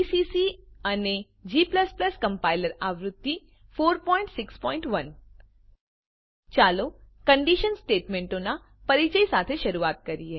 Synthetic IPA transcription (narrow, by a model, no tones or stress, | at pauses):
isiːsiɐne | d͡ʒiːpləsplɐskɐ̃mpaːɪləɾaːʋɾʊd̪ːi | foːɾpɔ̃ːɪ̃ɳʈsɪkspɔ̃ːɪ̃ɳʈʋɐn | t͡ʃaːlokɐ̃ɳɖiʃənsʈeːʈmẽːɳʈõna | pɐɾit͡ʃəisaːt̪ʰeʃɐɾuaːt̪̚kɐɾiɦɛː